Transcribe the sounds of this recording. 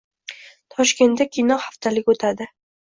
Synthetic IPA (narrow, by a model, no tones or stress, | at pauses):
t̪ʰɒʃkʲe̞nt̪ːakʲʰijnɒhaft̪ʰalɪkʲot̪ʰad̪ɪ